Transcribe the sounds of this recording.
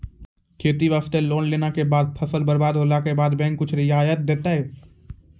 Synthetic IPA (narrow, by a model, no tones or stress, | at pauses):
kʰeːt̪iʋaːst̪eloːnleːnakebaːd̪̚pʰəsəlbəɾbaːd̪ɦoːlakebaːd̪bɛ̃ːŋkːʊt͡ʃʰɾɪaːjət̪̚d̪eːt̪aɦɛː